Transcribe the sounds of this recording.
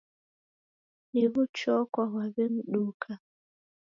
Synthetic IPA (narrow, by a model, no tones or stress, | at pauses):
niβʊt͡ʃɔkʷaɦwaben̩ɗuːkʰa